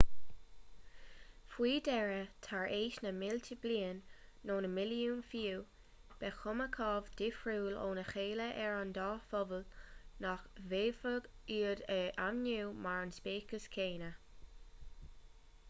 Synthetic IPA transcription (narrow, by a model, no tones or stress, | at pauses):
fwiːdɛɹət̪ʰaɹʔeːʃnəmɪltʰəbliːənːoːnəmɪljuːnfiː | b̥ɛxʊməkʰɑːvd̪ɪfɹuːlo̰ːnəxeːləʔɛɹand̪ɑːfɔvəlnaxveːvəɡiːədəʔamnuːmaɹənspeːkəskʰeːnə